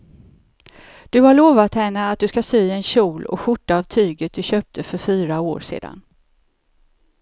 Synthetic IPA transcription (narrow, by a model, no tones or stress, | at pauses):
d̪̥ɵhaɭoːvat̪hɛnːəat̪̚d̪ɵskasyːɛnɕuːlɔ̰ɧʊʈːaːvt̪ʰyːɡət̪̚d̪ɵɕøːp̚t̪ʰəfœɾfyːɾao̰ːɾʂḛːd̪a̰n